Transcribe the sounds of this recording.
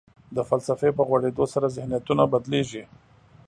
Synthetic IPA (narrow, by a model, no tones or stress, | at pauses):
d̪əfalsafepəɣwaɽed̪osaɾazɪhnijat̪unabad̪leʒi